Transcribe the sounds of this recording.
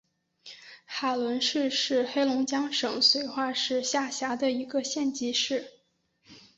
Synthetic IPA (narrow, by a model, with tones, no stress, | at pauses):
xa˨˩lwə˧˥nʂɻ̩˥˧ʂɻ̩˥˧xe˥ɪlʊ˧˥ŋt͡ɕjɑ˥ŋʂɤ˨˩ŋswe˧˥ɪxwa˥˧ʂɻ̩˥˧ɕja˥˩ɕja˧˥d̪ə˧i˧˥ɡə˧ɕjɛ˥˩nt͡ɕi˧˥ʂɻ̩˥˩